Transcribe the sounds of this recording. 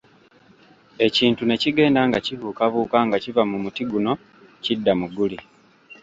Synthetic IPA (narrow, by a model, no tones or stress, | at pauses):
e̞ciːntune̞ciɡe̞ːndaːŋɡacivukaβuːkaŋɡacivamumutiɡuno̞ | cidːamuɡuli